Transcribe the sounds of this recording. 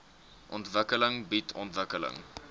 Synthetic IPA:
ʔɔntvəkələŋbitʰɔntvəkələ̰ŋ

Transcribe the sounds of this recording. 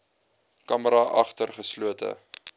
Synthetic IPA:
kɐməɾɑʔɐχtərχəsluətʰə̰

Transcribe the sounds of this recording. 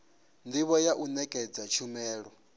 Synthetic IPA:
ndiβɔjaʔunɛkʼɛd͡zat͡ʃʰumɛːɺɔ

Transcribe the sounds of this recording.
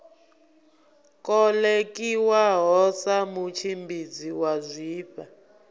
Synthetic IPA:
kʼɔlekiwaɦɔsamut͡ʃʰimbʱid͡ziwazʷiːɸa

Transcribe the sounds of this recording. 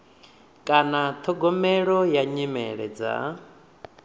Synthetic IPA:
kʼanat̪ʰɔɡɔmɛɺɔjaɲimɛɺɛ̰d͡za̰

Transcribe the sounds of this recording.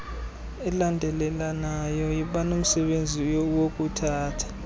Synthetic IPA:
ɛlandʱɛlɛlanajɔjiɓanom̩sɛɓend͡zʱijowok̬ʼutʰaːtʰḁ

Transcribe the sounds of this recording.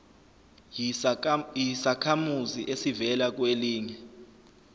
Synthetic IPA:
jisakʰamuziʔesivɛlak̬weliːɲɛ

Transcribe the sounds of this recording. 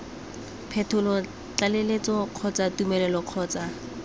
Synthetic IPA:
pʰɛtʰʊlɔ | t͡ɬalelet͡sʼɔq͡χʰɔt͡satumɛlɛlɔq͡χʰɔːt͡sa

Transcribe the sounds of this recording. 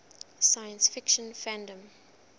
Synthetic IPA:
sajə̃nsfɪkʃə̃nfæ̃ndə̃m

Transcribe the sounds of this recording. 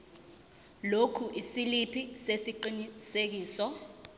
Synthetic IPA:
lokʰuʔisilipʰisesiǃinisek̬iːsɔ

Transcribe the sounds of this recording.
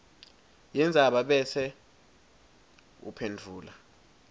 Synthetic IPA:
jɛnd͡zʱaɓaɓɛsɛ | ṵpʰendʱuːla

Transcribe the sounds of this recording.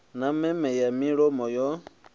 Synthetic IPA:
namɛmɛjamĩɺomɔjɔ

